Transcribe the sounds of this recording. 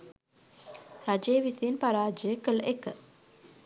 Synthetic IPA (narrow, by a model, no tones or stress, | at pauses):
rad͡ʒejəʋisiːnpaɾaːd͡ʒəjəkələʔekə